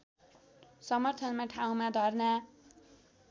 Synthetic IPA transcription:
sʌmʌrt̪ʰʌnmaʈʰaw̃mad̪ʱʌrna

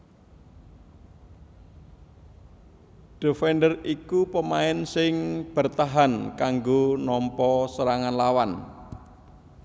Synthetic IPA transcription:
ɖ̥o̤fɛnɖərikupəmaɪnsɪŋb̥ə̤rt̪aɦankaŋɡonɔmpɔsəɾaŋanlawan

